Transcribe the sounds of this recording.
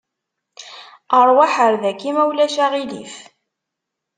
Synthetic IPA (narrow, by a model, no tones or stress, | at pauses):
əɾˤwaħəɾðækːimæwlæʃaʁilḭf